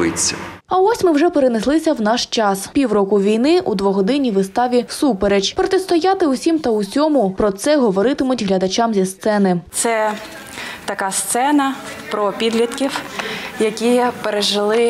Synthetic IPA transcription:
ɪt͡sʲːɐɐɔsʲmɪwʒɛpeɾeneslˠɪsʲɐwnɑʃt͡ʃɑspʲiwɾɔkʊʋʲijnɪʔud̪ʋɔɦɔd̪ɪnʲiʋɪst̪ɑʋʲisupeɾed͡ʒpɾɔt̪est̪ɔjat̪ɪusʲimt̪ɐusʲɔmʊpɾɔt̪sɛɦɔʋɔɾɪt̪ɪmʊtʲɦlʲɐd̪ɐt͡ʃɑmzʲist̪sɛnɪt̪sɛ | t̪ɐkast̪sɛnɐpɾɔpʲid̪lʲit̪kʲiwjɐkʲipeɾeʒɪlˠɪ

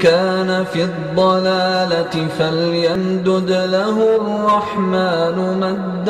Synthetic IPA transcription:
kaːnafiːd̪ˤːɑlaːlaɪfaljand̪ʊd̪laɦʊrːɑħmaːnʊmad̪ː

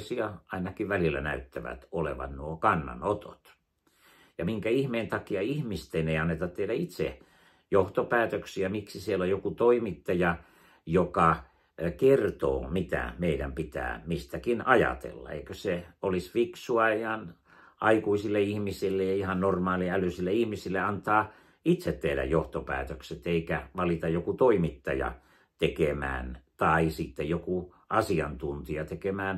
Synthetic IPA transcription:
siɑɑinɑkiʋʋælilːæ̰næ̰yt̪ːæʋæ̰t̪olḛʋɑ̰nnuokɑnːɑ̰not̪o̰t̪ | jɑmiŋkæihmeːnt̪ɑkiɑihmist̪eneiɑnːet̪ɑt̪t̪eidæit̪sḛ | joht̪opæːt̪øksiæmiksisielːojokut̪oimit̪ːɑjɑ | jokɑ | kert̪o̰ːmit̪æ̰meidæmpit̪æ̰ːmist̪ækinɑjɑ̰t̪ḛlːɑ̰ḛikøseolisfiksuɑihɑn | ʔɑikuisilːeihmisilːejjɑihɑnnormɑːliælysilːeihmisilːeɑnt̪ɑː | it̪set̪tehdæ̰jjoht̪opæ̰ːt̪økset̪eikæʋɑlit̪ɑjjokut̪oimit̪ːɑjɑ̰ | t̪ekemæ̰ːnt̪ɑisit̪ːejoku | ʔɑsiɑ̰nt̪unt̪iɑt̪ekemæːn

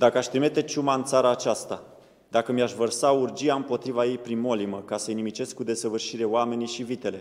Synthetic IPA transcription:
d̪akəaʃʲt̪ɾime̞t̪e̞t͡ʃumaɨnt̪saɾaːt͡ʃast̪a | d̪akəmiaʃvərsaurd͡ʒiaɨmpo̞t̪ɾivaje̞jpɾinmo̞liməkasəjnimit͡ʃe̞skːud̪e̞səvɨrʃiɾe̞owame̞niʃivit̪e̞le̞

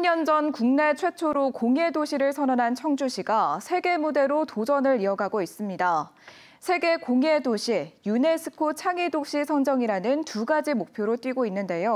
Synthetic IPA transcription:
ɲʌnd͡ʑʌnkuŋne̞t͡ɕʰwe̞t͡ɕʰoɾokoŋe̞doɕʰiɾɯɭsʰʌnʌnɦant͡ɕʰʌŋd͡ʑuɕʰiɡasʰe̞ɡe̞mude̞ɾotod͡ʑʌnɯɾiʌɡaɡois͈ɯmɲida | sʰe̞ɡe̞koŋe̞doɕʰijune̞s͈ʰɯ̥kʰot͡ɕʰaŋidoɕ͈ʰisʰʌŋd͡ʑʌŋiɾanɯntuɡad͡ʑimok̚pʰjoɾot͈ɥiɡoinːɯnde̞jo

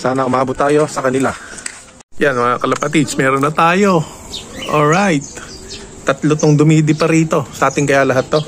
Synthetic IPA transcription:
saːnɐʔʊmaːbʊt̪ːaːjo̞sɐkɐnɪla | janmɐŋakɐlɐpɐt̪ismɛːɾonːɐt̪aːjo̞ | ʔolɹajt̪̚ː | ɐt̪lot̪oŋd̪ʊmiːd̪ɪpɐɾiːt̪o̞sɐʔaːt̪ɪŋkɐjaːlɐɦat̪ːo̞

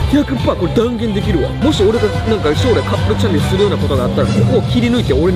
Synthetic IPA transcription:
tʲakɯpːakoɾed̪aŋɡʲe̞nd̪e̞k̬ʲiɾɯ̟wa̰mo̞ɕio̞ɾe̞ɡa | nãŋkaɯɕoɾekʰapɯɾɯt͡ɕʰãndisɨɾɯjo̞ːnako̞t̪o̞ɡaːt̪ːaɾakokoːkʲʰiɾʲinɯit̪eoɾe

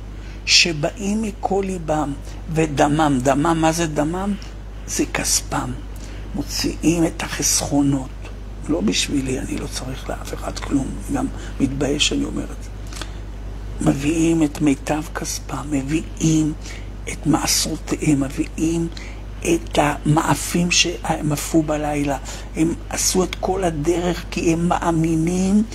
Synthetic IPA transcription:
ʃe̞baʔimːikʰo̞libam | vedamamd̪amamːazedamam | z̥ekaspamː | o̞t͡siʔimethaχesχo̞no̞t | lo̞biʃvilia̰nḭlo̞t͡saʁiχleʔafe̞χadklumiɡamː | itbajeʃanio̞̰meʁedz̥e | meviʔime̞tmejtavkaspame̞vi | im | etmaʔasʁoteʔemːeviʔim | ʔetamaʔafimʃe̞ʔamafubalajla | he̞masue̞tko̞lade̞ʁeχkiemːa̰ʔaminim

